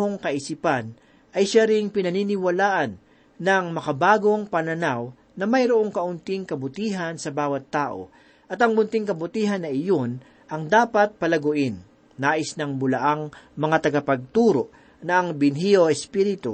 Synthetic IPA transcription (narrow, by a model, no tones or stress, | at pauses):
oŋkɐʔɪsipan | ʔɐjʃaɾɪŋpɪnɐninɪwɐlaːʔɐnː | ɐŋmɐkɐbaːɡo̞ŋpɐnɐnaw | nɐmɐjɾoʔo̞ŋkɐʔʊnt̪iŋkɐbʊt̪iːɦɐnsɐbaːwɐt̪ːaːʔo̞̰ | ʔɐt̪ɐŋʊnt̪ɪŋkɐbʊt̪iːɦɐnːɐʔɪjon | ʔɐŋd̪aːpɐt̪̚pɐlɐɡʊʔɪnː | aːʔɪsnɐŋmʊlɐʔaŋmɐŋat̪ɐɡɐpɐɡ̚t̪uːɾoʔ | nɐʔɐŋbɪnɦiʔoɛspiːɾɪt̪o